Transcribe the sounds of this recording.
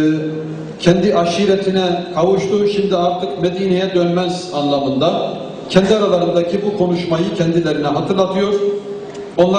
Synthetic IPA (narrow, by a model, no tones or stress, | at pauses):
cʰɛnd̪iʔaʃiɾet̪ʰinɛkʰavuʃt̪ʰuʃimd̪iaɾt̪ʰɯkmed̪iːnejɛd̪ønmæzanlˠamɯnd̪a | cʰɛnd̪iaɾalˠaɾɯnd̪acʰibukʰo̞nuʃmajɯcʰɛnd̪ilʲeɾinɛɦat̪ʰɯɾlˠat̪ʰɯjo̞ɾ̥ | o̞nlˠa